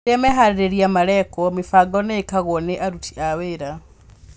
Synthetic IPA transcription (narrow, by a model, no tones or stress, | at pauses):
ɛmɛɦaɾeɾeɾjamaɾɛkɔmifaɡɔneekaɣɔneʔaɾutʰi̥ʔaweɾa